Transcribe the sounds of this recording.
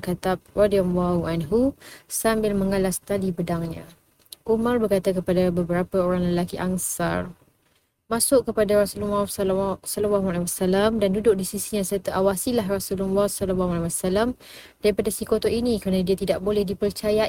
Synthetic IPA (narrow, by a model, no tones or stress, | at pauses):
kat̪ap̚radiamwauʔanɦusambɪlmə̃ŋalast̪adibədaŋɲã̰ | ʔumarbərkat̪ak̬əpadabəbəɾapaoɾaŋləlakiʔaŋsa̰r | mãsʊʔkəpadaɾasulumafsalawaɦualawasalamdandudʊʔk̚disisiɲãsərt̪aʔawasilaɦrasululːɔsalawaalawasalam | d̥aɾipadasikot̪oʔinĩkɾanadiat̪idaʔbolɛhdipərt͡ʃaja